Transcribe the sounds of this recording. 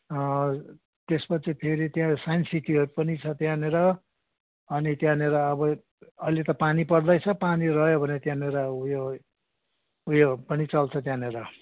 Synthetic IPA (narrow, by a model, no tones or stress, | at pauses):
t̪espʌt͡sʰipʰeɾit̪jãsajnsit̪iʌɾupʌnit͡sʰʌt̪jãneɾʌ | ʌnit̪jãneɾʌːbʌ | ʌilet̪ʌpanipʌrd̪ʌjt͡sʰʌpanirʌjobʱʌneʌt̪jãneɾʌjo | ujopʌnit͡sʌlt͡sʰʌt̪janeɾʌ